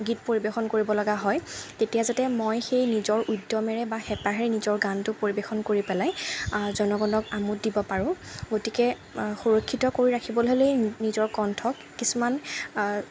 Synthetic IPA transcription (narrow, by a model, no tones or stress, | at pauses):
ɡit̚poɹibexɔnkoɹibɔlɔɡaɦɔjtetijazatɛmojxejnizɔɹʔudːɔmɛɹɛbaxɛpaɦɛɹɛnizɔɹɡantʊpoɹibexɔnkoɹipɛlajzɔnɔɡɔndɔkamutdibɔpaɹʊ̃ɡotikɛ | xuɹokʰːitɔkoɹiɹakʰibɔlɦolejnizɔɹkɔntʰɔkːisuman